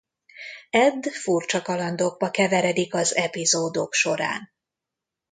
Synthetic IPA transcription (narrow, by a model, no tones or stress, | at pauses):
ɛd̪furt͡ʃɒkɒlɒnd̪oɡ̚bɒkɛvɛɾɛd̪ikɒzɛpizoːd̪o̞kʃo̞ɾa̰ːn